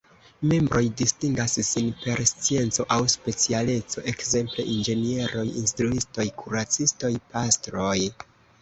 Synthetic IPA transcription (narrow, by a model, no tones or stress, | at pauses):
me̞mbɾo̞jdistiŋɡassinpe̞ɾst͡sie̞nt͡so̞ʔawspe̞t͡siale̞t͡so̞̰ʔe̞kze̞mple̞̰ʔind͡ʒe̞nie̞ɾo̞jḭnstɾuisto̞jkʰuɾat͡sisto̞jpastɾo̞j